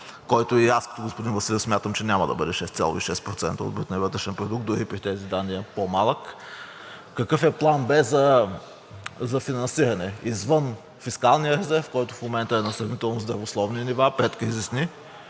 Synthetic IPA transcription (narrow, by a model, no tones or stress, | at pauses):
kɔjt̪ʊiaskə̥t̪ʊɡospʊd̪invɐsilʲismʲjat̪əmt͡ʃɛnʲaməd̪ɐbɤd̪ɛʃɛst̪sʲa̰lˠo̰iʃɛst̪̚pɾot̪sɛ̰nt̪əo̰t̪̚bɾut̪nɛvɤt̪ɾɛʃɛnpɾod̪uk̚t̪d̪ʊɾipɾit̪ɛzid̪anːiɛpomalˠəkː | ɐkɤfɛplˠanbɛzɐ | zɐfinɐnsiɾɐnɛizvɤn | fiskalˠnijəɾɛzɛɾfkɔjt̪ʊfmomɛnt̪əɛnɐsɾɐvnit̪ɛlˠnʊzd̪ɾɐvoslˠɔvninivapɛt̪kɾizisni